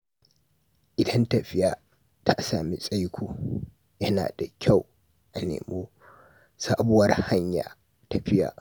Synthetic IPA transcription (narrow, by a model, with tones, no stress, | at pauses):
ʔɪ˨dɐ˦nta˨ɸɪ˦jaː˨ | ta˦ʔsaː˨mi˦sʼa˦jkʷʰoː˨ | jɐ˦na̰ː˨da˨kʲʰa˦˨w | ʔa˨nḛː˨moː˦ | saː˦bʊ˦wɐ˦rha˦ɲja̰ː˨ | ta˨ɸɪ˦ja̰ː˨